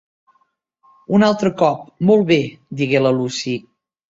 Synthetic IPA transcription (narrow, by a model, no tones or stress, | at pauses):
unalˠt̪ɾəkɔp̚molˠβed̪iɣeləlusi